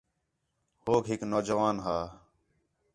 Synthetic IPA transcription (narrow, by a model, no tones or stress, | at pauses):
hoːkɦɪknoːd͡ʒəʋaːnɦaː